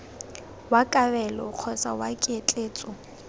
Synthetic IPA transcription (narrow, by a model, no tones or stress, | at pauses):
wakʼabɛlɔq͡χʰɔsa̰wakʼet͡ɬʼeːt͡sʼɔ